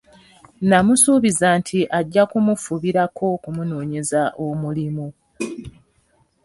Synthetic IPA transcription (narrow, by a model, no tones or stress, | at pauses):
namusuːβizantʰiʔaɟːakumufuβiɾakʰo̞kumuno̞ːɲe̞zaʔomulimu